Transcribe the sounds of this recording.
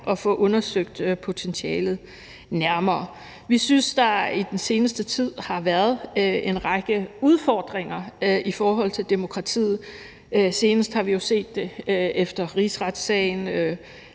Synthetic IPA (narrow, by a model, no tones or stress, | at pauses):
ʔɒ̽fɔ̽ʔɔ̽nɐsøɡ̥̚d̥pʰo̝t͡sʰensiɛːlð̩ˠ | næɐmɐː | ʋisynsd̥ɑ̈id̥ense̝ːnəsd̥ət͡sʰið̞̰ˠhɑ̈ʋæɐðˠenʁɑ̈ɡ̥əuð̞ˠfɒ̰ːd̥ʁeŋɐʔifɒːɦɒ̽l̰t͡sʰe̝ld̥emo̝kʰʁɑ̈t͡sʰḭːð̩ˠ | øse̝ːnəsd̥hɑ̈ʋijo̝se̝̰ːd̥ːe̝efd̥ɐʁisʁɑd̥sɛ̰ɪn̩ø